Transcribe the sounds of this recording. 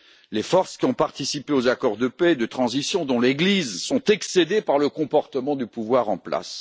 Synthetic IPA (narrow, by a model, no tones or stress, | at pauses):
lefɔʁskʲiɔ̃paʁt̪isipeozakɔʁd̪əpɛd̪ət̪χɑ̃zisjɔ̃d̪ɔ̃leɡlizsɔ̃t̪ɛksed̪epaʁləkɔ̃pɔʁt̪əmɑ̃d̪ypuvwaʁɑ̃pla̰s